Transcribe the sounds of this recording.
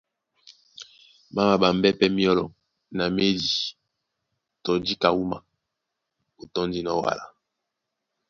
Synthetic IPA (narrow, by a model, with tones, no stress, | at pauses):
ma˦ma˨ba˨mbɛ˦pɛ˦mi˦ɔ˦lɔ˨ | na˨me˦di˨ | tɔ˨di˦ka˨wu˦ma̰˨ | o˨tɔ˦ndi˦nɔ˦wa̰˨la˨